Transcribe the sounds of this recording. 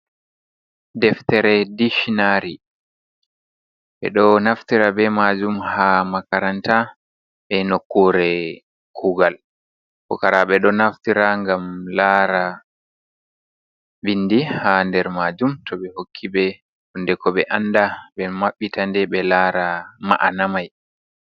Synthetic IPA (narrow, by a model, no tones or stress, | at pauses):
dɛftɛɾɛdiʃinaɾi | ɓɛ̰ɗɔnaftiɾabɛmad͡ʒumhamakaɾanta | ɓɛnokːuɾɛ | kʰuɡal | kɔ̰kaɾaɓɛɗɔnaftiɾaŋɡamlaːɾa | binːdihandɛɾmaːd͡ʒumtɔɓɛhokʰːiɓɛ | hundɛkɔɓɛʔandaɓɛmaɓːitandɛɓɛlaːɾama̰ʔa̰namaj